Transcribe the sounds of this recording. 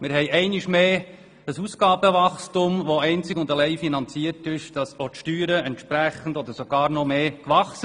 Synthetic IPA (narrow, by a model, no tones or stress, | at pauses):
mɪɾɦɛɪɛɪnɪʃme̥ː | əsusɡɑːbəʋɑχstʊmʋoɛɪnt͡sɪkʊnd̪əlɛɪfinɑnt͡siəɾtɪʃd̥ɑsotʃtyːɾəɛntʃpɾæχən̩dɔd̪əɾsoɡɑːɾnɔmeːkʋɑχsə